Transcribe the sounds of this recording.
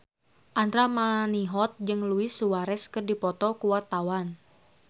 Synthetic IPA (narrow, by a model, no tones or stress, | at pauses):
ʔant̪ɾamaniɦɔt̪̚d͡ʒɨŋluɪsuwaɾɛskɨrdipɔt̪ɔkuwart̪awan